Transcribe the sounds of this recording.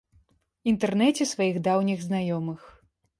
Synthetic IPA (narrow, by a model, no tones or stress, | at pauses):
int̪ɛrnɛt͡sʲɛsvajiɣd̪awnʲiɣznajɔmɨx